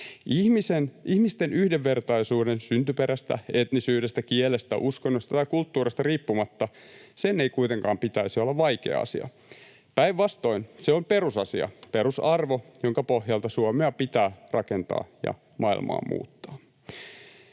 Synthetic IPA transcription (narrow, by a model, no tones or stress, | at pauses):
ihmisenʔihmist̪enʔyhdeʋːert̪ɑisuːdensynt̪ypeɾæst̪æ̰et̪nisyːdest̪ækielest̪æ̰ʔuskonːost̪ɑt̪ɑikult̪ːuːrist̪ɑriːpːumɑt̪ːɑ | seneikuit̪eŋkɑːmpit̪æisiolːɑʋʋɑikḛɑ̰ɑ̰sḭɑ̰ | pæiʋʋɑst̪o̞inseomperusɑsiɑ̰peɾusɑrʋojoŋkɑpohjɑlt̪ɑsuomeɑpit̪æːrɑkent̪ɑ̰ːjɑ̰ | mʔɑḭlmɑ̰ːmmṵːt̪ːɑː